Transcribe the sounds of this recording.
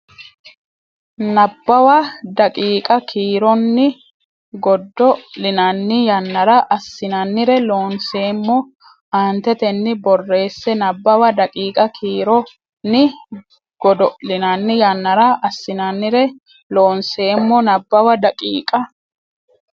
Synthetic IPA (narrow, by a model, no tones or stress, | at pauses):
nɐbːɐwɐd̪ɐkʼiːkʼɐkʰiːɾɔnːɪ | ɡɔd̪ːɔlɪnɐnːɪjɐnːɐɾɐʔɐsːɪnɐnːɪɾɛloːnse̞ːmːɔ | aːnt̪ɛt̪ɛnːɪbɔrːe̞ːsːɛnɐbːɐwɐd̪ɐkʼiːkʼɐkʰiːɾɔ | nːɪ | ɡɔd̪ɔlɪnɐnːɪjɐnːɐɾɐʔɐsːɪnɐnːɪɾɛ | loːnse̞ːmːɔnɐbːɐwɐd̪ɐkʼiːkʼɐ